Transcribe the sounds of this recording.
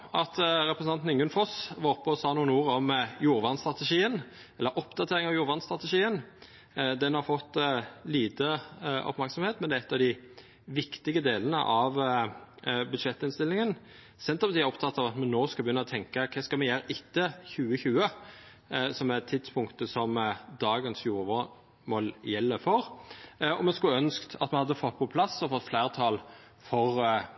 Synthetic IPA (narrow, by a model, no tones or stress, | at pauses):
ɑt̪ɾɛpɾəsnɑnn̩ɪŋʉnfɔsʋɑɾʊpːəɔsɑːnuːənuːɾɔmjuːɾʋɑnst̪ɾʁɑt̪əʂiːən | ɛlːəɾʔɔpd̪ɑt̪ʰeːɾɪŋɑʋjuːɾʋɑnst̪ɾʁɑt̪əʂiːən | d̪ɛnhɑɾfɔt̪ːliːt̪əɔ̰pmæɾksɔmheːt̪mɛnd̪ɛæɛt̪ːɑʋd̪ɪ | ʋɪkt̪ɪɡəd̪eːlənə̰ʔɑʋ | bʉd̪ʂɛt̪ːɪnst̪ɪlːɪŋən | sɛnt̪ʁəpʰɑt̪iːɔpt̪ʰɑt̪ːɑʋɑt̪mɛnnoːskɑbəjʏnːɔt̪ʰɛŋkəkʰɛskɑlmɛjæːɾʔɪt̪ːəçʉːəçʉːə | sɔmɛt̪ʰːɪt̪spʰʊŋkt̪əsɔmd̪ɑːɡənsjuːɾəʋo | mɔlːjɛlːəfɔɾ | ɔmɛnskʉœnskt̪ʰɑ̰t̪mɛnhɑd̪ːəfɔt̪̚ːpʰɔpʰlɑsːɔfɔt̪ːflæːɾʁət̪ʰɑːl | fɔʁ